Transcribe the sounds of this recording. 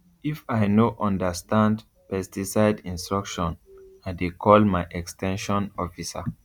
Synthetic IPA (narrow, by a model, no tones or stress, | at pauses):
ifaɪnoʔɔ̃ndəstãnd | pɛstisaɪdĩnstɹɔkʃɔ̃naɪdekʰɔlmaɪʔɛkstʰɛ̃nʃɔ̃nɔfisa